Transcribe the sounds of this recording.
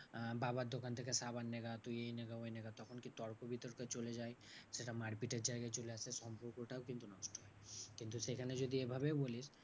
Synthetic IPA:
baːbad̪okant̪ekesaːbanːeɡat̪ojeineɡaineɡat̪ɔkʰonkit̪ɔɾkobʱit̪əɽkɐt͡ʃoled͡ʒaːeseʈamaːɾpiʈeɖd͡ʒaːjɡat͡ʃoleasesɔ̃mpuɾkoʈʰaukɪ̃nt̪unɔsʈʰoɦɛkɪ̃nt̪usekʰɐned͡ʒod̪iebʱɐbebolis

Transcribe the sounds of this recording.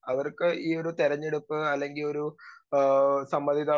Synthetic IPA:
ɐʋɐrkɨʔiːo̞ɾut̪eɾɐɲːeɽupːɨɐlːe̞ŋɡilo̞ɾu | sɐmbɐd̪ʱiðaː

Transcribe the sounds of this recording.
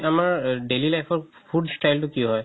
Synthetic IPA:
amaɹɖelilajpʰɔɹpʰuɖsʈajltʊkiɦɔj

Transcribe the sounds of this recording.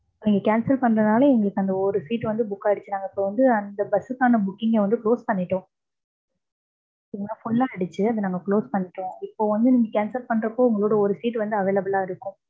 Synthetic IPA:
niːŋɡɐkaːnsɐlpɐɳːɾɐnaːlɐɛŋɡɐɭɯkːɐnd̪ɐɔɾɯsiːʈːʋɐnd̪ɯbʊkːaːɐɽɯt͡ʃːɯnaːŋɡɐɪpːoːʋɐnd̪ɯɐnd̪ɐbɐsɯkːaːnɐbʊkːɪŋɡeʋɐnd̪ɯkloːspɐɳːɪʈːõː | ɪŋɐnːaːfʊɳlãːɐɽɯt͡ʃːɯɐðɯnaːŋɡɐkɭoːspɐɳːɪʈːõːɪpːoːʋɐnd̪ɯniːŋɡɐkaːnsɐlpɐɳːɾɐpːoːʊŋɡɐɭoːɽɐɔɾɯsiːʈːʋɐnd̪ɯɐʋeːlɐbɯlaːɪɾɯkːʊ̃

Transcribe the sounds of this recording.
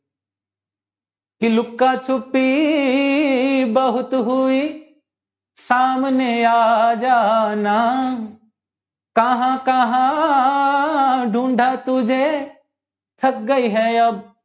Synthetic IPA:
kilʊkːat͡ʃʰʊpːi | bɐɦʊt̪ɦʊi | saːmneaːd͡ʒaːna | kɐɦãkɐɦã | ɖʱũːɳɖʱat̪ʊd͡ʒʱe | t̪ʰɐk̚ɡɐiɦɛɐb̚

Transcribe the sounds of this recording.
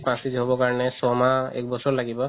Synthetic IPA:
pãsizɦobɔkaɹɔnɛsɔmaɛ̰k̚bɔsɔɹlaɡibɔ

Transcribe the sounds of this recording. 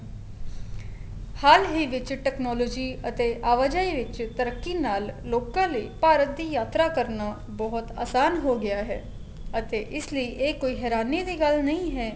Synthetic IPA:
haːlɦiːʋɪt͡ʃʈɛːknɔːlɔːd͡ʒiːət̪eːʔaːʋəd͡ʒaiʋɪt͡ʃt̪əɾəkːinaːlːoːkãːləiːpaːɾət̪̚d̪iːjaːt̪ɾakəɾna | bɔɦʊt̪a̰ːsaːnɦoɡɪaːɦɛ̰ː | ət̪eːʔɪsləiʔeːkoːiɦɛːɾaːnid̪iːɡəlnɐĩɦɛː

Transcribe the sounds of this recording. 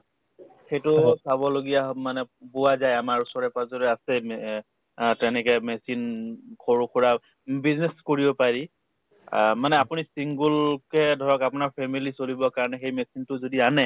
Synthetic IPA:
xejtʊsabɔloɡijamanɛbʊwazajamaɹusɔɹɛpazɔɹɛasɛ | tɛnɛkɛmɛsinkʰoɹukuɹa | bizneskoɹibɔpaɹi | manɛapʊnisiŋɡulkɛdʱɔɹɔkapʊnaɹpʰɛmilisolibɔkaɹɔnɛxejmɛsintʊzodianɛ

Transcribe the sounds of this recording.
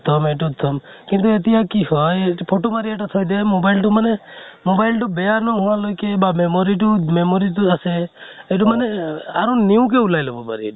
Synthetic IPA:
t̪ʰɔmeʈɔt̪ʰɔmkint̪uet̪iɦakihɔpʰoʈomaɾieʈat̪ʰɔjd̪emobailʈumanemobajlʈubejanɔɦũw̃ãlojkebamemɔɾiʈumemoɾiʈuaseeʈ̬umaneaɾɔ̃niũkeulajlebɔpa̰ɾi

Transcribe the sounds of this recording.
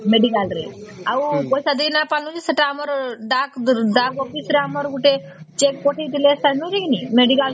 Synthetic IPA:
meɖikalɾḛaubɔjsad̪iknapalũd͡ʑisəʈaaməɾɖakɖakɔfisɾeaməɾɡuʈe | t͡ʃekpoʈʰit̪ileəst̪anuɾeknimeɖikal

